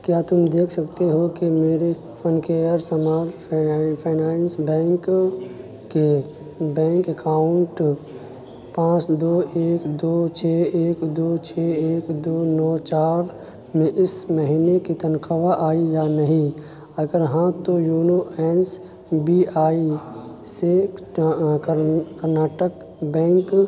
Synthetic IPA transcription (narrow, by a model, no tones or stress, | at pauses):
kjaːt̪ʊmd̪eːkʰsɐkt̪eɦokimeːɾe | fʰənkeːjəɾsəmaːɾpʰaːnaːnsbɛ̃ːŋkː | e | bɛ̃ːŋkəkaːʊɳʈ | pãːt͡ʃd̪oːʔeːkd̪oːt͡ʃʰeːeːkd̪oːt͡ʃʰɛːeːkd̪oːnɔːt͡ʃaːɾ | mẽʔɪsməɦinekit̪ɐnqəʋaʔaːijanɐɦĩ | ɐɡəɾɦãt̪ojuːnoɛːns | biaːi | se | kəɾnaːʈək | bɛ̃ːŋk